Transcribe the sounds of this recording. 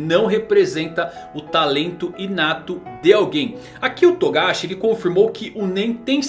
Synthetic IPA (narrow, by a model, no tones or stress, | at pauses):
nɐ̃w̃ɦepɾezẽnt̪ɐ | ʊt̪alẽnt̪ʊɪnat̪ʊd̪ɪawɡẽj̃ | akiʊt̪oɡaʃɪelɪkõfiɾmowkɪʔʊnẽj̃t̪ẽj̃